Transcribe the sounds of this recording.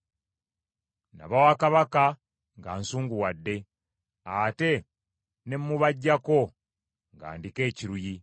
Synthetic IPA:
na̰βawakaβaka | ŋɡaːnsuːŋɡuwadːe̞ | ate̞ | ne̞mːuβaɟːako̞ | ŋɡa̰ːndike̞ːciɾuji

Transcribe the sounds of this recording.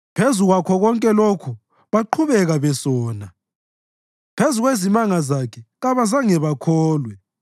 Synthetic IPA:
pʰezuɣwakʰɔɣɔŋkʼɛlokʰu | βaǃʰuβɛɣaβɛsɔːna | pʰezuɣwezimaŋazakʰɛɣaβazaŋɛβakʰɔːlwɛ

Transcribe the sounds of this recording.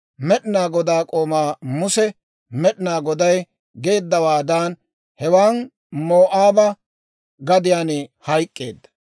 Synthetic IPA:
mɛɗɪnaːɡɔd̪aːkʼo̞ːmaːmʊsɛ | mɛɗɪnaːɡɔd̪ɐj | ɡe̞ːd̪ːɐwaːd̪aːn | hɛwaːn | moːʔaːbɐ | ɡɐd̪ɪjaːnɪhɐjkʼːeːd̪ːɐ̥

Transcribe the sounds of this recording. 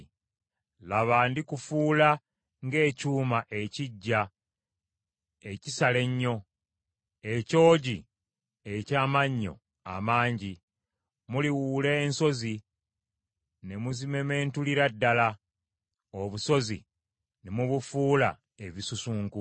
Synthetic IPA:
laβaːndikufuːla | ŋɡe̞ːcuːmaʔe̞ciɟːa | e̞cisale̞ɲːo̞ | eco̞ːɟi | ecaːmaɲːo̞̰ | a̰maːɲɟi | muliwuːle̞ːnso̞zi | ne̞muzimeme̞ːntuliɾadːala | oβuso̞zḭ | nemuβufuːla̰ | eβisusuːŋku

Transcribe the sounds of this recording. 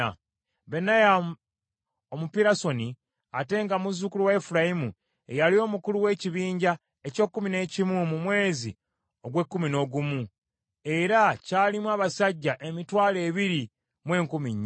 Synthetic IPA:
benaja | omupiɾaso̞ni | ate̞ŋɡamuzukuluwaefuɾajimṵ | ejalio̞ːmukuluwe̞ːciβiːɲɟa | eco̞ːkːumine̞ːcimumumwe̞ːzi | o̞ɡwe̞kːumino̞ːɡumu | e̞ɾacaːlimwaːβasaɟːaʔemitwaːle̞ːβiɾi | mwe̞ːŋkumiɲː

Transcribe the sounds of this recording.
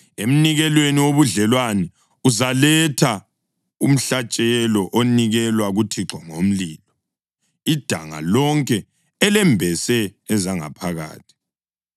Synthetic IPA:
em̩niɣɛlweniwoβuɮɛlwanɛ | uzalɛtʰa | um̩ɬat͡ʃʼɛlɔʔoniɣɛlwaɣutʰiǁɔŋom̩liːlɔ | id̥ʱa̰ŋa̰lɔŋkʼɛː | lɛmbʱɛsɛːzaŋa̰pʰaɣa̰ːtʰi̥

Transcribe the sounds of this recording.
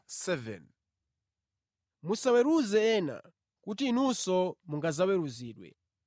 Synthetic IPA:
sɛvɛ̰n | musawɛɾuzɛɛːna̰ | kutiːnusɔmuŋɡazawɛɾuziːɗwɛ̰

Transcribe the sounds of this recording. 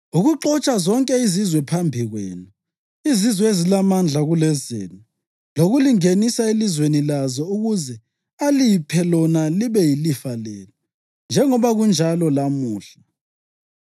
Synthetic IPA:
uɣuǃɔt͡ʃʼazɔŋkʼɛizizwɛpʰambʱiɣwḛːnu | izizwɛezilamand͡ɮʱaɣulɛzḛːni | loɣuliŋenisaelizwenilazɔuɣuzɛ | alipʰɛlɔnaliβɛjilifalɛːlɔ | nd͡ʒʱɛŋɔβaɣund͡ʒʱalɔlamuːɬḁ

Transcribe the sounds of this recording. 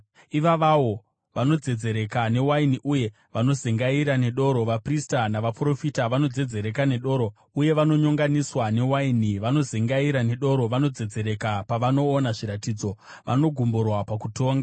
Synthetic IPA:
iʋaʋawo̞ | ʋano̞d͡ze̞d͡ze̞ɾe̞kane̞wainiʔuje̞ | ʋano̞zeŋɡaiɾane̞ɗo̞ɾo̞ʋapristanaʋapro̞fitaʋano̞d͡ze̞d͡ze̞ɾe̞kane̞ɗo̞ːɾo | uje̞ʋano̞ɲoŋɡaniswane̞wainiʋano̞zeŋɡaiɾane̞ɗo̞ɾo̞ʋano̞d͡ze̞d͡ze̞ɾe̞kapaʋano̞ːnaʐiɾatid͡zo̞ | ʋʔa̰no̞ɡʱumborwapakuto̞ːŋɡa

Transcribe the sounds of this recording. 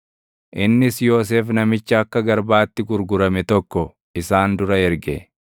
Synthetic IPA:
ʔɪnːɪsjo̞ːs̬eːfnɐmɪt͡ʃːɐɐkːɐɡɐɾbaːt̪ːɪɡʊɾɡʊɾɐmɛt̪ɔkːɔ | ɪsaːnd̪ʊɾɐɛɾɡɛ̰

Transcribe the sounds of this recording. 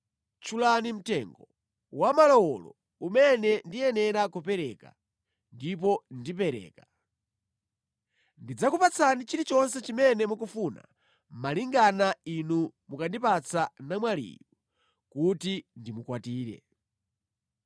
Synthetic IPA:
t͡ʃʰulanim̩tɛŋɡɔ | wamalɔwɔlɔ̰ | umɛnɛndijɛnɛɾakupɛɾɛːka̰ | ndip̬ɔndipɛɾɛ̰ːka | ndid͡zakupat͡sʰanit͡ʃiɾit͡ʃɔnsɛt͡ʃimɛnɛmukufuna̰ | maliŋɡanainumukandipat͡sʰanamwalḭːju | kutindimukwatiːɾɛ̰

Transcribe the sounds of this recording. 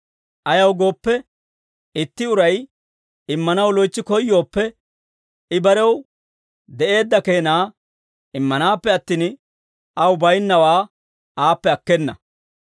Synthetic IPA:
ʔɐjɐwɡo̞ːpːɛ | ɪt̪ːɪʊɾɐj | ɪmːɐnɐwlɔjt͡ʃːɪkɔjːo̞ːpːɛ | ɪbɐɾɛw | d̪ɛʔe̞ːd̪ːɐke̞ːnaː | ɪmːɐnaːpːɛɐt̪ːiːn | ɐwʊbɐjnːɐwaː | aːpːɛɐkːɛnːɐ̰

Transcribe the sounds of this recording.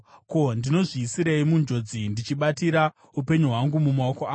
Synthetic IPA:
ko̞ndino̞ʐiːsiɾeimund͡ʒo̞d͡zindit͡ʃiɓatiɾa | upe̞ɲuɦwaŋɡumumaokoa

